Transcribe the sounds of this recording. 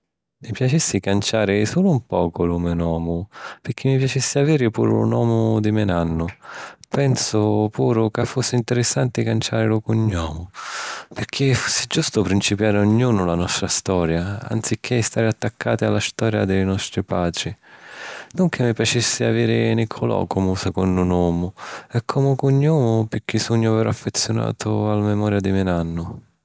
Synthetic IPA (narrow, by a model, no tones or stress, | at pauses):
mipjat͡ʃisːikant͡ʃaːɾɪsuːlʊmpɔːkʊlumɪnɔːmʊpɪɾk̟ʰːɪmːipjat͡ʃisːɪaviːɾɪpṵːɾʊ̰lʊ̰nwɔːmʊd̪imɛnanːʊpɛnsʊpuːɾʊkafːusːɪint̪ɛɾɪsːant̪ɪkant͡ʃaːɾɪlʊkʊɲːɔːmʊpɪɾk̟ʰɪfusːɪd͡ʒːust̪ʊpɾint͡ʃipjaːɾʊɲːuːnʊlanɔst̪ɾast̪ɔːɾjaa̰nt̪sikʰːɪst̪aːɾɪat̪ːakʰːaːt̪ɪalːast̪ɔːɾja̰d̪ɛjnɔst̪ɾipaːd̪ɾi | nʊŋkʰemːipjat͡ʃisːɪa̰viːɾɪnikʰʊlɔ̰ːkʊmʊsɛkɔnd̪ʊnɔːmʊɛkʰːɔmʊkʊɲːɔːmʊpɪk̟ːisuɲːʊavɛːɾaafːet̪sːjʊna̰ːt̪ʊalamɛmɔːɾjad̪imɪnanːʊ